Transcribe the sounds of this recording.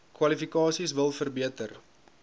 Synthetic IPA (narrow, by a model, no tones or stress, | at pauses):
kwɐlifikɑːsisvəlˠfərbiətər